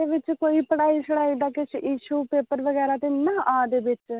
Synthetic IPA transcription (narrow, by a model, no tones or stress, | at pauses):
eːʋɪt͡ʃkoːiːpəɽaːiːsəɽaːiɖ̪aːkɪt͡ʃʰjiːʃuːpeːpəɾʋəɡɛːɾaːt̪enaːʔaːd̪eːʋɪt͡ʃ